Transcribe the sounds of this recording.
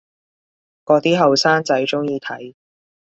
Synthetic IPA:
kɔː˨˧t̪iː˥ɦɐ˨wsaː˥nt͡sɐ˨˥jt͡sʊ˥ŋjiː˧t̪ʰɐ˨˥j

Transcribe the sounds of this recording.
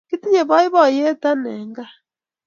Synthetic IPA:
ki˦ti˦ɲe˨βɔ˦i˦βɔ˦˨je˦ta˦nɛ˨ŋɡa˦

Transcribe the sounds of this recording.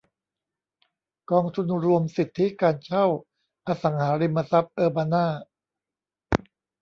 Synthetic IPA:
kɔː˧ŋt̪ʰu˧nɾu˧əmsi˨˩t̪ʰːi˦˥kaː˧nt͡ɕʰa˥˩w | ʔaː˧sa˩˦ŋhaː˩˦ɾi˧mːa˧sa˦˥p̚ʔɤː˧baː˧naː˥˩

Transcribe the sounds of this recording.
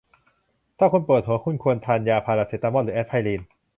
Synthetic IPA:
t̪ʰaː˥˩kʰu˧npɤː˨˩t̪̚hu˩˦əkʰu˥˩nkʰu˧ənt̪ʰaː˧njaː˧pʰaː˧la˧˩si˨˩t̪ːa˧mɔː˥˩ɯː˩˦ɛ˦˥t̪̚ʰa˧jliː˧n

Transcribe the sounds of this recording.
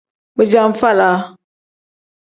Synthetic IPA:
bɨ˨d͡ʒa˦m̩˦fa˦˨la˨˦

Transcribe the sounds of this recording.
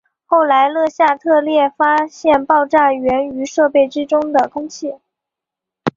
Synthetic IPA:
xo˥˩ʊla˧˥ɪlɤ˥˧ɕja˥˧t̪ʰɤ˥˧ljɛ˥˩fa˥ɕjɛ˥˧npɑ˥˧ʊʈ͡ʂa˥˩ɥɛ˧˥ny˧˥ʂɤ˥˧pe˥˩ɪʈ͡ʂɻ̩˥ʈ͡ʂʊ˥ŋd̪ə˨˩kʰʊ˥ŋt͡ɕʰi˥˩

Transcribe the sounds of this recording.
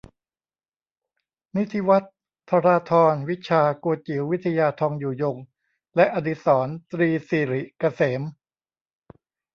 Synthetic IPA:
ni˦˥t̪ʰːi˦˥wa˦˥t̪ʰː | a˧ɾaː˧t̪ʰɔː˧nwi˦˥t̚t͡ɕʰaː˧ku˧ət̪̚t͡ɕi˩˦wi˦˥t̪ʰːa˧jaː˧t̪ʰɔː˧ŋjuː˨˩jo˧ŋ | lɛ˦˥ʔa˧di˧˩sɔː˩˦nt̪ɾiː˧siː˧˩ɾi˨˩ka˧seː˩˦m

